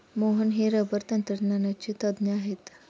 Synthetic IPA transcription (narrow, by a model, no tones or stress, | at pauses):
moɦənɦiɾəbəɾt̪ənt̪ɾəʈnanat͡ɕit̪əd̪nəaɦet̪